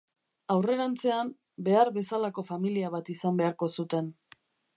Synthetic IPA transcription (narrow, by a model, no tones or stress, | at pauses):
awre̞ɾant͡se̞am | be̞aɾβe̞salako̞familiaβ̞at̪isambe̞aɾko̞sut̪e̞n